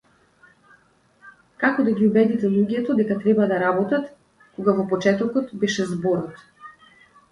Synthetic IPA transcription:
kakɔd̪aɡʲiubɛd̪it̪ɛlˠuɡɛt̪ɔd̪ɛkat̪ɾɛbad̪aɾabɔt̪at̪ | koɡavɔpɔt͡ʃɛt̪ɔkɔt̪bɛʃɛzbɔɾɔt̪

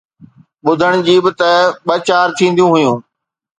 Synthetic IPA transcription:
ɓʊd̪ʱəɽ̃d͡ʑiːbɪt̪ɐɓɐt͡ɕaːɾt̪ʰĩːnd̪ijũɦʊjũː

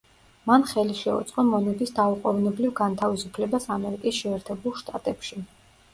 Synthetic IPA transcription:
manχɛliʃɛṵt̪sʼqʼɔmɔnɛbisd̪auqʼɔvnɛblivɡant̪ʰavisupʰlɛbasamɛɾikʼisʃɛːɾt̪ʰɛbulˠʃt̪ʼat̪ʼɛpʃi

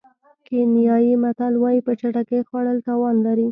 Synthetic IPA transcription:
kenjɑjimat̪alwɑjipət͡ʃaʈakexwɑɽəlt̪ɑwɑnlaɾi

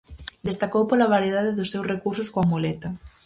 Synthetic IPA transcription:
d̪est̪akowpolaβaɾjeðaðɪðʊsːewsrekuɾsʊskoamolɛt̪ɐ

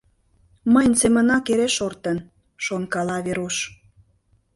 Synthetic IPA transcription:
məjnsemə̆nɑkeɾeʃort̪ən | ʃonkɑlɑβeɾoʃ

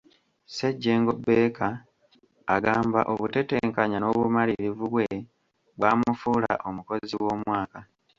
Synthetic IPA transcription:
seɟːeːŋɡo̞beːkaː | ɡaːmbaʔoβute̞te̞ːŋkaɲano̞βumaliβivuβwe | βwaːmufuːla̰ʔo̞muko̞ziwo̞ːmwaːka

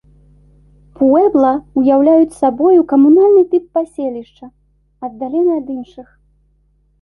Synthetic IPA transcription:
puɛblˠɐujawlʲajut͡sʲsabɔjukɐmunalʲnɨt̪ɨpːasʲelʲiʂt͡ʂɐ | ɐd̪d̪ːalʲɛnɨɐd̪inʂɨx

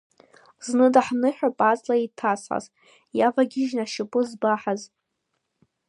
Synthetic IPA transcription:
znɨdaħnɨħᶣapʼat͡sʼlaitʰasħa̰z | javaɡʲɪʒnaʃɪpʼɨzbaħaz

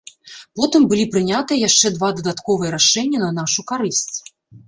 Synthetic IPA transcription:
pɔt̪ɨmbɨlʲipɾɨnʲat̪ɨjɐjaʂt͡ʂɛd̪vad̪ɐd̪at̪kɔvɨjɐɾaʂɛnʲːɐnɐnaʂukaɾɨsʲt͡sʲ

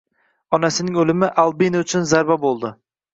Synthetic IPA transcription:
ɒnasɪnɪŋolɪmɪʔalˠbinʊt͡ʃʰʊnzaɾbabolˠd̪ɪ

